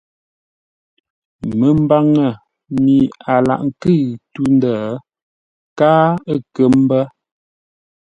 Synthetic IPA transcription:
mə˨m˦ba˦˨ŋə˨ | mi˨a˨la̰˨ʔŋ̩˨kɨ˦˨tu˦n˦də˦˨˦ | kaː˦ə˦kə˦m˦bə˦

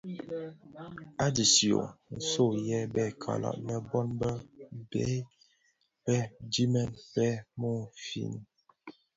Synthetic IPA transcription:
a˦di˨sjo̰˨n̩˨so˦˨jɛ˦bɛ˦˨kʰa̰˨la̰˨ʔnə˦˨bɔ˦nbə˦bɛ̰˦ | pɛ˦di˦mɛ˦npɛ˦mo˦˨fḭ˨n˦

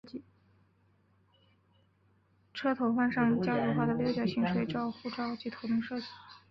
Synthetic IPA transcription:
t͡ɕi˥˩ | ʈ͡ʂʰɤ˥t̪ʰo˧˥ʊxwa˥˧nʂɑ˥˩ŋt͡ɕjɑ˥ʊjo˧˥xwa˥˩d̪ə˩ljɔ˧˥t͡ɕjɑ˨˩ɕi˧˥ŋʂwe˨˩ɪʈ͡ʂɑ˥˧ʊxu˥˧ʈ͡ʂɑ˥˧ʊt͡ɕi˥˩t̪ʰo˧˥ʊt̪ʰʊ˥˧ŋʂɤ˥˧t͡ɕi˥˩˦

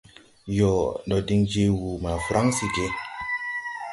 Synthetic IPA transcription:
jɔ˨nɗɔ˨di˦ŋd͡ʒe˦wu˨ma˨fɾʔa˦ŋsi˨d͡ʒe˦

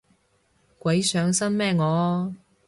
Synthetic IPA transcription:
kʷɐ˨˥jsœː˨˥ŋsɐ˥nmɛː˥˧ŋɔː˨˧

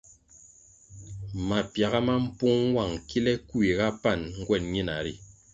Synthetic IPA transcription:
ma˨pja˨ɣa˦ma˦m̩˦pu˦ŋ˦wa˦˨ŋki˦lɛ˦ku˦i˨ɣa˦pa˦˨nŋ̩˦ɡwɛ˦˨nɲi˦na˨ɾi˦˨

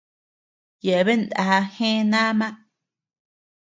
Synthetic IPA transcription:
je˨ʔe˨βe˦nd̪a̰˧ha˧hẽ˦nã˦mã˦ʔ

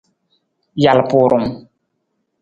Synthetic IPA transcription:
ja˨lpʊ˨ɾʊ˨m

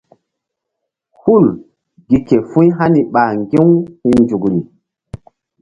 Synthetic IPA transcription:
hu˦˨l | ɡi˨ke˨fũ˦jɦa˦ni˨ɓa˨ŋɡe˦whi˦nd͡ʒu˨kɾi˨

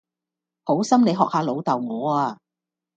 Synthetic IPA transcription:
ho˨˥wsɐ˥mne˨˧jɦɔː˨k̚haː˨˧lo˨˧wt̪ɐ˨˩wŋɔː˨˧aː˧

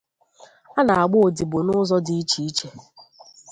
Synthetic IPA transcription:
a˦na˨a˨ɡ͡bʊ˦o˨di˨bʊ˨nʊ˦zɔ˦di˨i˦t͡ʃi˦i˦t͡ʃe˦

